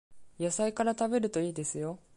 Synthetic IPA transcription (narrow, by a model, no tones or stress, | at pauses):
jasaikaɾat̪abe̞ɾɯ̟t̪o̞iːd̪e̞sɨjo̞